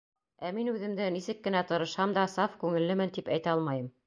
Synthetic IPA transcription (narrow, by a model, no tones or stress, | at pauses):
æminʉðɘ̆md̪ɘnisɘkːɘ̆næt̪ɤ̆ɾɤ̆ʃhɑmd̪ɑsɑfkʉŋɘ̆lːɘmɘnt̪ipæjt̪æɑlˠmɑjɤm